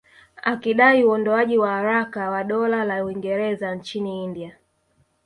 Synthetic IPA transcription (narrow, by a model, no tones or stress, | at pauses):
akiɗaiuɔndɔaʄiwahaɾakawaɗɔlalauiŋɡɛɾɛzant͡ʃiniindia